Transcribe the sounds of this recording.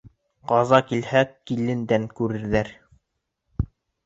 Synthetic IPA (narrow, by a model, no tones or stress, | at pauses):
qɑzɑkilhækːilɘ̆nd̪æŋkʉɾɘ̆ɾðæɾ